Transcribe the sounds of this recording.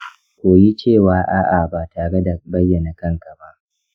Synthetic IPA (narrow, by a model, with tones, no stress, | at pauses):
kʷoː˨ji˦t͡ʃeː˦˨waː˨ʔaː˦ʔa˨baː˨taː˨ɽe˦da˨bɐ˦jːɐ˨na˨kɐ˦ŋka˨ba˦ʔ